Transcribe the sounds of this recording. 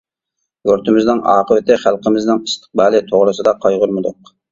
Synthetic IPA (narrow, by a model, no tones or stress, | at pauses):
øɾt̪ʰɪmɪznɪnɑːqəwɪt̪ʰɪχælˠqʰəmɪznɪŋpʰɨ̥st̪ʰə̥q̚bɑːlˠɪt̪ʰoʁɾɨsɨd̪ɑqʰɑjʁʊɾmɨd̪ʊq